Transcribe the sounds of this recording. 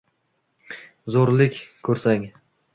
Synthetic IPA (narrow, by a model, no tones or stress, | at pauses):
zoɾlɪkʲkʰɵɾsaŋ